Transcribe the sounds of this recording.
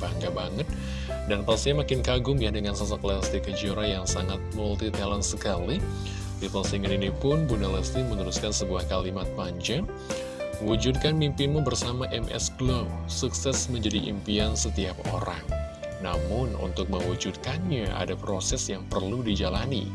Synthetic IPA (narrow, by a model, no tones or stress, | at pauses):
baŋɡabaŋət̪̚ | danpasɲamakɪnkaɡʊmjadəŋansas̬aklast̪ikəd͡ʒioɾajaŋsaŋat̪̚mult̪it̪ɛlɛnsəkali | lit̪əlsiŋəninipʊnbunɛlɛsnimənuɾuskansəbuahkalimat̪̚paɲd͡ʒa | məwud͡ʒud̚kanmimpimubərsamaʔɛmʔɛ̰sɡlɔmsuksɛsməɲd͡ʒadiʔḭmpiansət̪iap̚o̰ɾaŋ | na̰mʊnṵnt̪ʊk̚məŋwud͡ʒud̚kanɲaʔa̰dapɾosɛsjaŋpərludid͡ʒalanḭ